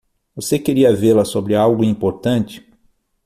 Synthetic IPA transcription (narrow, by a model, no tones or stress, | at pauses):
vosekeɾiɐveɾlɐsobɾɪawɡʊĩpoɾt̪ɐ̃nt͡ʃɪ̥